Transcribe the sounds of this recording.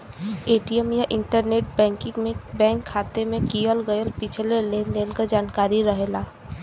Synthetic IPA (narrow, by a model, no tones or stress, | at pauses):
eːʈiəmjaʔɪ̃ɳʈəɾneːʈ̚bɛ̃ːŋkɪ̃ŋmẽbɛ̃ːŋkʰːaːt̪emẽkijəlɡəjəlpɪt͡ʃʰleleːnd̪eːnkad͡ʒaːnkaːɾiɾəɦelaː